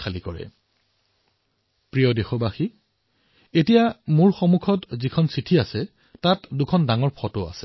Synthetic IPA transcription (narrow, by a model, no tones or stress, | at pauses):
alikɔɹɛ̰ | pɹijɔdexɔbaxi | etijamuɹxɔmukʰɔtzikʰɔnsitʰiasɛ | tatdukʰɔndaŋɔɹpʰɔtʊa̰sɛ̥